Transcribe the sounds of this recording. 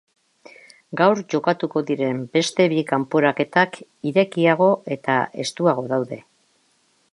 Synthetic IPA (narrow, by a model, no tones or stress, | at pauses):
ɡawɾʝo̞kat̪uko̞ðiɾe̞mbe̞st̪e̞βikampoɾake̞t̪akiɾe̞kiaɣ̞o̞e̞t̪a̰e̞̰st̪uaɣ̞o̞ðawðe̞